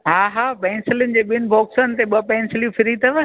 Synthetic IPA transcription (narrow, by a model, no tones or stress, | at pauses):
ɦaːɦaːpɛ̃ːnsɪljʊnɪ̆d͡ʑeːɓiənɪ̆bɔːksənɪ̆t̪eɓɐpɛ̃ːnsɪljũfʰɪɾit̪ɐʋə